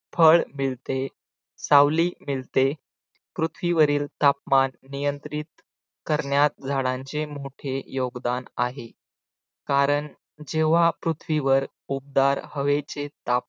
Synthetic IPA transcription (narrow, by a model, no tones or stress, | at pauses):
fʰəɭmiɭt̪e | saʋliːmilt̪e | pɾut̪ʰʋiʋəɾiːlt̪ap̚manːijənt̪ɾit̪ | kəɾɳjat̪̚d͡zʱaɽãɲt͡ɕemoʈʰejoɡd̪ana̰ɦe | kaɾəɳ | d͡ʑeʋ̤apɾut̪ʰʋiʋəɾ | up̚d̪aɾhəʋet͡set̪ap̚